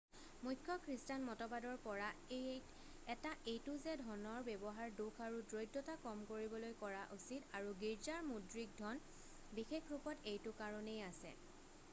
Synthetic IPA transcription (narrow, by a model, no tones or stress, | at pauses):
mujkʰːɔkʰɹistanmɔtɔbadɔɹpɔɹae | ɛtaʔejtʊzɛdʱɔnɔɹbɛbɔɦaɹdukʰaɹudɹojdːɔtakɔmkoɹibɔlojkɔɹaʔusitaɹuɡiɹzaɹmudɹik̚dʱɔn | bixekʰɹupɔtejtʊkaɹɔnejasɛ̰